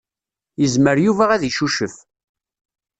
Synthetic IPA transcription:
jəzməɾjuvæʁæðiʃuʃəf

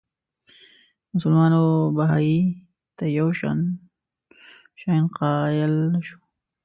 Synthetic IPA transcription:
mʊsʊlmɑnobaɦɑji | t̪ajawʃɑ̰n | ʃɑjnqɑjəlʃu̥

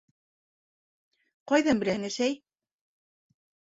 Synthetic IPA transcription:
qɑjðɑmbɘ̆læŋɘ̆ʃæj

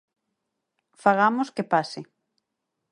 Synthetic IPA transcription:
faɣamoskɪpasɪ

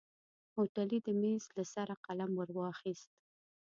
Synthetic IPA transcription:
hoʈalid̪əmezlasaɾaqalamwaɾwɑxist̪̚

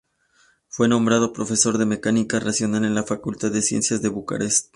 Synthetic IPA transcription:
fwe̞nõ̞mbɾað̞o̞pɾo̞fe̞so̞ɾðe̞me̞kanikarasjo̞nale̞nlafakult̪aððe̞sjḛnsjazðe̞βuka̰ɾest̪̚

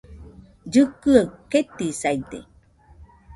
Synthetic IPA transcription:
d͡ʒɨkɯaket̪isajd̪ḛ

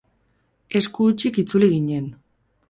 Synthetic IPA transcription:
e̞skut͡ʃikit͡suliɣiɲe̞n

